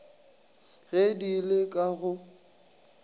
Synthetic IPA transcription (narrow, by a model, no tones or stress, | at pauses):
ɣedilekʼaɣʊ